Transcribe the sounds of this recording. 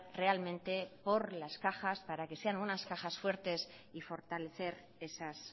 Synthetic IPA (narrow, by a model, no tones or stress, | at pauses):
re̞almẽnt̪e̞po̞ɾlaskaxaspaɾake̞se̞anunaskaxasfwe̞ɾt̪e̞s | ifo̞ɾt̪ale̞θe̞ɾ | e̞sas